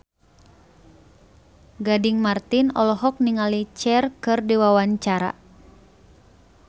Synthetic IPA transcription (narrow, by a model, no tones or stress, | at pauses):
ɡadiŋmart̪inɔ̰lɔɦɔk̚niŋalit͡ʃɛrkɨrdiwawaɲt͡ʃaɾa̰